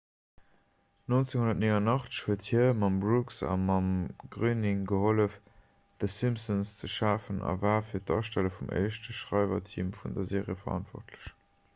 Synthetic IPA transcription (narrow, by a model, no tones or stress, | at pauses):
nont͡seŋhunɐt̚nenɑnɑχt͡sə̥ʃhuəthiɐmɑmbʁuksɑ̰mɑmɡ̥ʁyːnɪŋɡəholəf | ð̥əsimsənst͡səʃaːfənʔɑ̰vaːfiːɐtɑʃtæləfumʔə̰ɪʃtəʃʁɑɪvɐ̰tʰḭːmfundɐzeːʁjəfɐɑ̰ntv̥ɔ̰χtʰləɕ